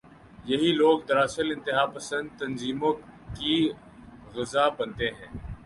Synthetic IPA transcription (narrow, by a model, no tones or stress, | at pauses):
jɐɦiloːɡ̚d̪ɐɾaːsəlɪ̃nt̪ɪɦaːpəsə̃nd̪̚t̪ɐnziːmõki | ɣɪzaːbɐnt̪eɦɛ̃ː